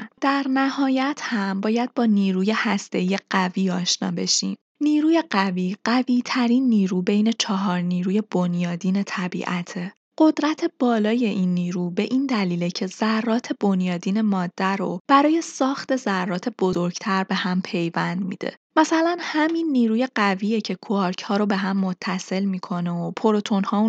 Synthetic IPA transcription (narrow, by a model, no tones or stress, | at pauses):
d̪̥æɾnæhɒːjæt̪ʰhæmbɒːjæd̪̚bɒːniːɾuːje̞hæst̪e̞iːje̞ɢ̥æviːɒːʃnɒ̰ːbe̞ʃḭːm | niːɾuːje̞ɢæviːɢæviːt̪ʰæɾinːiːɾuːbe̞jne̞t͡ʃʰɒɦɒːɾniːɾuːje̞bonjɒːd̪iːne̞t̪ʰæbḭʔæt̪ʰe | ɢ̥o̞d̪ɾæt̪ʰe̞b̥ɒːlɒːje̞ʔinːiːɾuːbe̞ʔind̪æliːlecʰe̞zærːɒːt̪ʰe̞b̥o̞njɒːd̪iːne̞mɒːd̪̥ːæɾob̥æɾɒːje̞sɒːxt̪e̞zærːɒːt̪ʰe̞b̥o̞zo̞ɾɟ̥t̪ʰæɾbe̞hæmpʰe̞jvænd̪mḭːd̪̥e̞̰mæsælænhæminːiːɾuːje̞ɢæviːjecʰe̞kʰoɾcʰhɒːɾo̞be̞ɦæmːo̞t̪ʰːæse̞lmiːkʰo̞neopʰo̞ɾo̞t̪ʰo̞nhɒː